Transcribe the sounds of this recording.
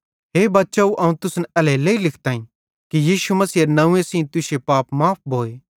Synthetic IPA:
ɦeːbaːtːʃauʔɐũt̪ʊsnɛɛlɛleːilɪkʰt̪aːĩ | kijiːʃumɐsiːnɐũẽsĩːt̪ʊʃepaːpmaːp̚bʱoːeː

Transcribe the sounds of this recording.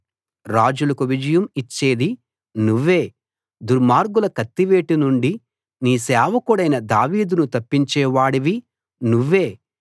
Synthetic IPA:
ɾaːd͡ʒulɐkuʋid͡ʒɐjɐmit͡ʃːe̞ːd̪i | nuʋːe̞ː | d̪uɾmaːɾɡulɐkɐt̪ːiʋeːʈinuɳɖi | niːsɛːʋɐkuɽɐjnɐd̪aːʋiːd̪unut̪ɐpːiɲt͡ʃɛːʋaːɽiʋi | nuʋːe̞ː

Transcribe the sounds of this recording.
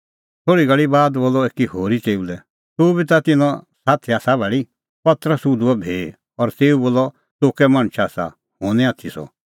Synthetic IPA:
t̪ʰoːɽiɡɐɭibaːd̪boːlɔeːkihoːɾit͡seːulɛ | t̪obʱit̪at̪ɪnɔ̃saːt̪ʰiaːsabʱɛːɭi | pɐt̪ɾəsud̪uɛbʱeː | ɔɾt̪eːuboːlɔ | t̪oːkɛmaɽ̃t͡ʃʰaːsa̰ | hõːnɛ̃aːt̪ʰisɔ̰

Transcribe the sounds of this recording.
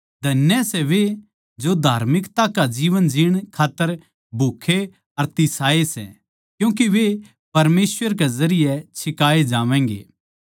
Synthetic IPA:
d̪ʱɐnjɛsɛʋe | d͡ʒod̪ʱaːɾmɪkt̪akad͡ʒiːʋənd͡ʒɪɽ̃kʰaːt̪ːəɾ | bʱuːkʰe | ɐɾt̪ɪsaːesɛ̰ | kjũːk̬iʋe | pɐɾmeːsʋəɾkɛzɐɾɪjɛt͡ʃʰɪkaːed͡ʒaːʋɛ̃ːŋɡḛː

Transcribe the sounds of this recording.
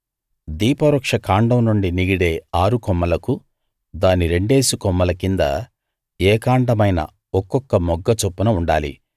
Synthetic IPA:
d̪iːpɐɾɔkʂɐkaːɳɖɐmnuɳɖiniɡiɽe̞ːaːɾukɔmːɐlɐku | d̪aːniɾe̞ɳɖe̞ːsukɔmːɐlɐkind̪ɐ̰ | ɛːkaːɳɖɐmɐjnɐ̰ | ɔkːɔkːɐmɔɡːɐt͡ʃopːunɐuɳɖa̰ːlḭ

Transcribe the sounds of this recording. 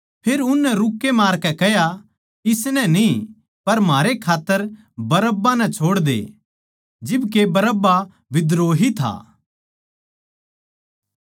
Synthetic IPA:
pʰeːɾʊnːɛ̃ɾʊkːemaːɾkɛkɛja | ɪsnɛ̃ni | pɐɾm̤aːɾekʰaːt̪ːəɾ | bɐɾəbːanɛ̃t͡ʃʰoːɽd̪ḛ | d͡ʒɪbk̬ebɐɾəbːa | ʋɪd̪ɾoːɦit̪ʰa̰ː

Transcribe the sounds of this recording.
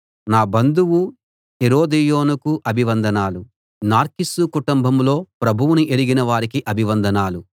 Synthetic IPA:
naːbɐnd̪uwu | eɾoːd̪ijo̞ːnukuʔɐbʱiʋɐnd̪ʱɐnaːlu | naːɾkisukuʈumbʱɐmlo̞ːpɾɐbʱuwuniʔeɽiɡinɐʋaːɾikiʔɐbʱiʋɐnd̪ʱɐnaːlu

